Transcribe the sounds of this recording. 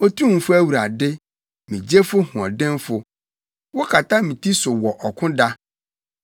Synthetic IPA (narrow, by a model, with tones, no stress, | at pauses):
o˦tʰũ˦˨fʊ˦æ˦wu˨ɾa˨dɪ˦ | mĩ˨d͡ʑe˦fʊ˦hʊ̃˨ɔ˨dɪ̃˦nfʊ˨ | wɔ˦kʰa˨tʰa˦mĩ˨tʰi˦sʊ˨wɔ˨ʔɔ˨kʰʊ̃˦da˦